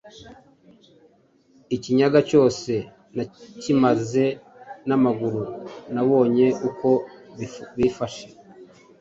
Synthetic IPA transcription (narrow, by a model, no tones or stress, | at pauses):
iciɲaɡaco̞ːse̞ | nacimaze̞ | namaɡuɾunaβo̞ːɲe̞ʔuko̞ | βiːfaʃe